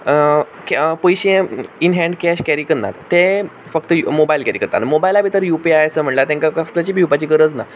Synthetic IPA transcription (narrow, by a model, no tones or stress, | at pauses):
kpojɕẽinɦɛ̃ɳɖkɛɕkæɾikənːa̰t̪t̪e | fək̚t̪əmobailkɛɾikəɾt̪a̰nmobajlabʱit̪əɾjupiajəsəm̤əɳlat̪ɛ̃ŋkakəslat͡ɕibʱiwpat͡ɕiːkəɾət͡sna